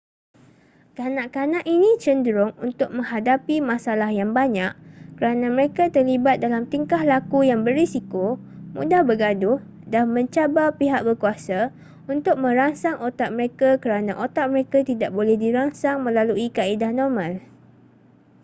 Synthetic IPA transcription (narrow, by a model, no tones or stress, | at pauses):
kanãʔkanãʔinĩt͡ʃəndɾʊŋunt̪ʊk̚mə̃ŋɦadapimãsalahjaŋbaɲaʔkəɾanãməɾekat̪ərlibat̪̚dalamt̪iŋkahlakujaŋbərisikomṵdahbəɡadʊh | damə̃ɲt͡ʃabapiɦaʔ̚bərkuasa | unt̪ʊk̚mə̃ɾaŋsaŋʔot̪aʔ̚məɾekakəɾanãʔot̪aʔ̚məɾekat̪idaʔ̚bolɛhdiɾaŋsaŋmə̃laluikaidahnɔrmãl